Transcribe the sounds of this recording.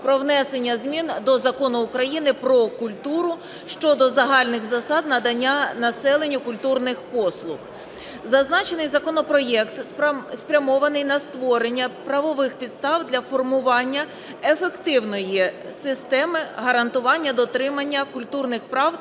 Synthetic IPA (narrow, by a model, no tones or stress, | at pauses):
pɾɔʋnɛse̞nʲːɐzʲmʲind̪ɔzɐkɔnʊːkɾɐjinɪpɾɔkʊlʲt̪uɾʊ | ʃt͡ʃɔd̪ɔzɐɦɑlʲnɪxzɐsɑd̪nɐd̪ɐnʲːanɐsɛlˠenʲːʊkʊlʲt̪urnɪxpɔslˠʊx | zɐznɑt͡ʃenɪjzɐkɔnɔpɾɔjɛkt̪spɾʲɐmɔʋɐnɪjnɐst̪ʋɔɾenʲːɐpɾɐʋɔʋɪxpʲid̪st̪ɑwd̪lʲɐfɔrmʊʋɑnʲːɐ | efekt̪ɪwnɔjisɪst̪ɛmɪɦɐɾɐnt̪ʊʋɑnʲːɐd̪ɔt̪ɾɪmɐnʲːɐkʊlʲt̪urnɪxpɾɑw